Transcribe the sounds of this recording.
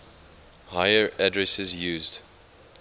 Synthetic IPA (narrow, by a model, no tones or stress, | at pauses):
haɪəɹadɹɛsɪzjuːzd̥